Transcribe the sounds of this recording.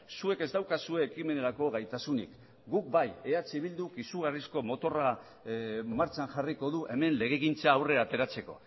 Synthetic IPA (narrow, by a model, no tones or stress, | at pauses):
sue̞ke̞zd̪awkasue̞ːkime̞ne̞ɾako̞ɣajt̪asunḭk | ɡuk̚baje̞at͡siβild̪ukisuɣ̞arisko̞mo̞t̪o̞ra | maɾt͡ʃanʝariko̞ðuʔe̞me̞nle̞ɣ̞eɣint͡saːwre̞at̪e̞ɾat͡se̞ko̞̰